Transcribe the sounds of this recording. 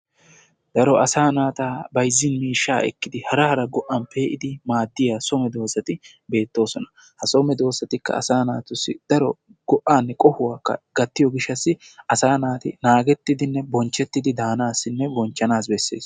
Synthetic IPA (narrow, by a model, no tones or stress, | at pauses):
d̪̥ɐɾɔʔɐsaːnaːt̪aːbɐjzːɪnmiːʃːa̰ːɛ̰kːɪd̪ɪhɐɾɐhɐɾɐɡɔʔːɐnpʰe̞ːʔɪd̪ɪmaːd̪ːɪjaːsɔmɛd̪o̞ːsɐt̪ɪ | be̞ːt̪ːo̞ːsɔnɐ̥ | hɐsɔmɛd̪o̞ːsɐt̪ɪkːɐ̰ɐ̰saːnaːt̪ʊsːɪ̰d̪̥ɐɾɔ | ɡ̥ɔʔːaːnːɛkʼɔhʊwaːkːɐ̰ɡ̥ɐt̪ːɪjɔɡɪʃːɐsːɪʔɐsaːnaːt̪ɪ̰naːɡɛt̪ːɪd̪ɪnːɛbɔnt͡ʃːɛt̪ːɪd̪ɪd̪aːnaːsːɪnːɛbɔnt͡ʃːɐnaːs̬bɛsːe̞̰ːs